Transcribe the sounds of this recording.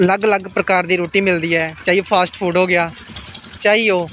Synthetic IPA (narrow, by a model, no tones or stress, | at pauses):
ələɡləɡpɾəkaːɾd̪iːɾoːʈiːmɪld̪iːɛːt͡ʃaːiːoːpʰaːsʈpʰuːɖɦoːɡɪjaːt͡ʃaːiːoː